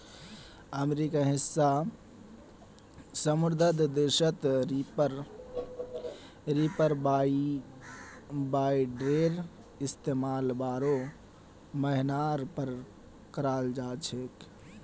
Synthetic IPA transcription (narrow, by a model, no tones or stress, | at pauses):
əmeɾikaɦɪsːa | səmʊɾd̪ʱəd̪ʱd̪ɪɾʃət̪əɾ | ɾipəɾbai | baːiɖɾeɾ | ɪst̪emaːlbaːɾo | məɦɪnaɾpəɾ | kəɾaːld͡ʒaːt͡ʃʰek